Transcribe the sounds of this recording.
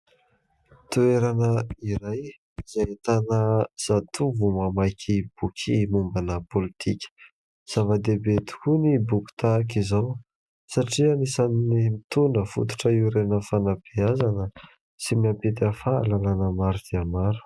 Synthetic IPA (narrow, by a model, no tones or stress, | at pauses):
t̪ueɾanəiɾaj | z̥ajet̪anəz̥at̪ʰuvumamajkʲʰib̥ukʰimumbanəpolit̪ʰikʲə̥ | z̥avad̪ebet̪i̥kunibuku̥t̪ak̬izaw | saʈ͡ʂianisannimit̪unəfṵt̪u̥ʈ͡ʂəiɾenəfanab̥eazanə | simiampet̪afaːlalanəmaɾud̪iamaɾu̥